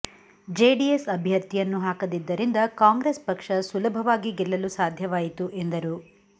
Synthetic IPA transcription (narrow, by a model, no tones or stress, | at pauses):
d͡ʒeːɖiesɐbʱjɐɾt̪ijɐnːuɦaːkɐd̪id̪ːɐɾind̪ɐkaːŋɡɾespɐkʂɐsulɐbʱɐʋaːɡiɡɛlːɐlusaːd̪ʱjɐʋaːjit̪uʔend̪ɐɾu